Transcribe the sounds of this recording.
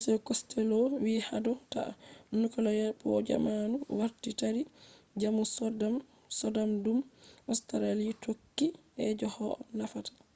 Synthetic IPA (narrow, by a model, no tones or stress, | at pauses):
sɛkɔstɛlɔwiːhadɔta̰unukɔlɔjapɔd͡ʒa̰manuwaɾtitaɾi | d͡ʒamusɔdam | sɔdamdumʔɔstaɾalitʰokːiʔɛd͡ʒɔhɔɔ̰nafatḁ